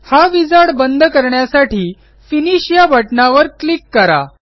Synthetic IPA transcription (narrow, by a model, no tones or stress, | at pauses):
haʋid͡zaɽbənd̪ʱkəɾɳjasaʈiː | finiɕjabʱəʈnaʋəɾklikːəɾa̰